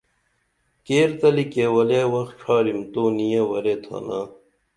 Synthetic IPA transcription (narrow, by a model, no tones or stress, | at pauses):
keːɾt̪ɐlikewɐleːwɐxʈ͡ʂʰaːɾimt̪oːnijewɐɾet̪ʰa̰ːnaː